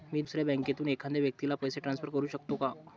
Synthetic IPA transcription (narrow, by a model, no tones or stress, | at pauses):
miːd̪usɾjabɛ̃ŋket̪uːnekʰãnd̪eʋjək̚t̪ilapəjseʈɾansfəɾkəɾuːɕəkt̪oka